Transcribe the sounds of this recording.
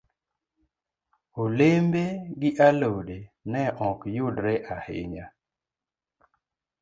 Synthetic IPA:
olembeɡɪʔalowdenɛʔɔkjʊdɾeʔahɪ̰ɲa

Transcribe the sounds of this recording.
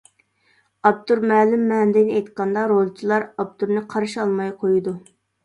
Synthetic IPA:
ɑb̚t̪uɾmɛːlɪmːɛnd̪ɪnɪejt̪qʰɑnd̪ɑɾolˠt͡ʃʰilˠɑɾɑp̚t̪ʰuɾnɨqʰɑɾʃɑlˠmɑjqʰojud̪u

